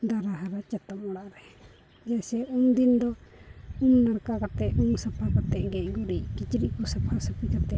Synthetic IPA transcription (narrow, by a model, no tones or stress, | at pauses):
d̪aɾaɦaɾat͡ʃat̪ɔmɔɽaʔɾɛ | d͡ʒasɛumd̪ind̪ɔ | umnaɾkakat̪ɛʔumsapʰakat̪ɛʔɡɛʔ̚ɡɔɾikit͡ʃɾiʔkɔsapʰasapikat̪ɛ